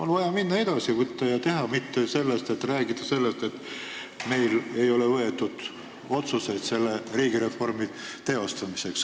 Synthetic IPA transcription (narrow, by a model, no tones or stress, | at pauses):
olvɑjɑminːɑe̞d̪̥ɑsivɯt̪ːɑjɑt̪e̞ɦɑmit̪ːese̞lːest̪et̪ræːɡid̪̥ɑse̞lːe̞st̪e̞t̪ | me̞jle̞jo̞levɤe̞t̪ːud̪̥ | o̞t̪suse̞jd̪se̞lːe̞riːɡ̥iɾe̞fo̞rmit̪e̞o̞st̪ɑmise̞ks